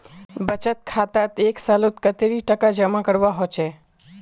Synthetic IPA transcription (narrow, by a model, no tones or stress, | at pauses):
bət͡ʃət̪̚kʰaːt̪at̪eːksalot̪kət̪eɾiʈəkad͡ʒəmakəɽʋaɦot͡ʃʰeː